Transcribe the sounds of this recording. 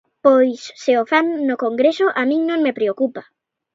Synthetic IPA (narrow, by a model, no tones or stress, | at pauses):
pojsːɪofamnʊkoŋɡɾesʊʔamĩŋnõŋmepɾeokupa